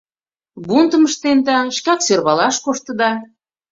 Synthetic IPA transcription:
βunt̪ə̆məʃt̪ent̪ɑʃkɑkserβɑlɑʃkoʃt̪ə̆d̪ɑ

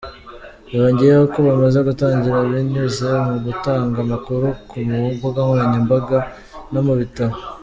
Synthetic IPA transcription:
βaɾoːɲɟiɾeokoβamazeɡutaːɲɟiɾaβiɲuzemuɡutaːŋɡamakuɾukumubuɡaŋuɾaɲimbaɡa | no̞muβitaɾo

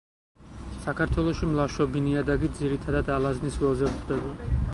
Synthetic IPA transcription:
sakʰaɾt̪ʰwɛlˠɔʃimlˠaʃɔbiniad̪aɡid̪ziɾit̪ʰad̪ad̪alˠazniswɛlˠzɛvuχd̪ɛba

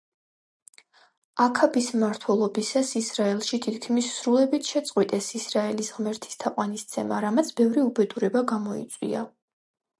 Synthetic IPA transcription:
akʰabismaɾt̪ʰwɛlˠɔbisasisɾaɛlˠʃit̪ʰit̪kʰmisːɾulɛbit̪ʰʃɛt̪sʼqʼwit̪ʼɛsisɾaɛlisʁmɛɾt̪ʰi̥st̪ʰaqʼwanist̪sʰɛmaɾamat̪sʰbɛvɾiubɛd̪uɾɛbaɡamɔḭt̪sʼwḭa̰

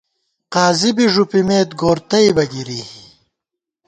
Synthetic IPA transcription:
qaːzibiʐupimeːt̪̚ɡoːɾt̪ɐjbɐɡiɾiː

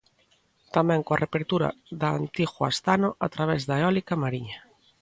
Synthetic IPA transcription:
t̪amẽŋkoarepeɾt̪uɾa̰ðaa̰nt̪iɣoa̰st̪anoʔat̪ɾaβ̞ezðaeɔlikamaɾiɲa

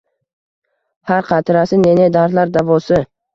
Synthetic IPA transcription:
haɾqʰɑt̪ʰɾasɪnened̪aɾt̪laɾd̪avɒsɪ

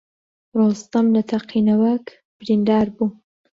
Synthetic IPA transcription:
ɾost̪amlat̪ʰaqʰinawak | b̥ɾind̪ɑːɾbu

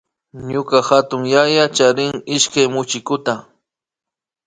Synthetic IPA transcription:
ɲʊkaxat̪ʊŋjajat͡ʃaɾɪŋɪʃkajmʊt͡ʃɪkʊt̪a

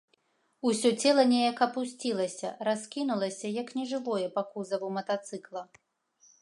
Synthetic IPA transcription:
usʲɔt͡sʲɛlˠɐnʲejɐkɐpusʲt͡sʲilˠɐsʲɐ̰raskʲinulˠɐsʲɐjɐknʲɛʐɨvɔjɛpakuzɐvumɐt̪at̪sɨklˠɐ

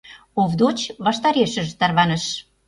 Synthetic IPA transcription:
ovd̪ot͡ɕβɑʃt̪ɑɾeʃə̆ʒt̪ɑrβɑnə̆ʃ

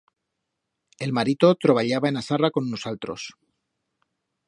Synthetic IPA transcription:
e̞lmaɾit̪o̞t̪ɾo̞β̞aʎaβae̞nasarako̞nunosalt̪ɾos

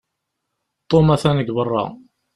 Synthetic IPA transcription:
t̪ˤːomæθænəɡbərˤːɑ̰

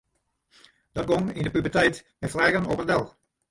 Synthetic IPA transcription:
d̥ɔt̚ɡɔŋindəpybərtɛjtmɛtflɛːɣənɔpəndɛlˠ

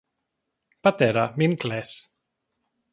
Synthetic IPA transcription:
pat̪eɾaminkles

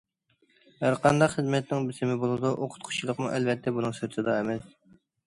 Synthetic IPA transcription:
hæɾqʰɑnd̪ɑχəzmɛt̪nɪŋbɪsɪmɪbolˠɨd̪uʔoqʰʊ̥t̪̚qʰʊ̥t͡ʃʰilˠəqmuʔɛlvɛt̪ʰːɛbunɨŋsøɾt̪ʰɨd̪ɑemɛs

